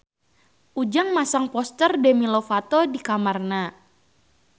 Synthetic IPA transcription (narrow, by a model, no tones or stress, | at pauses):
ʔud͡ʒaŋmasaŋpɔst̪ərdɛmilɔfat̪ɔdikamarna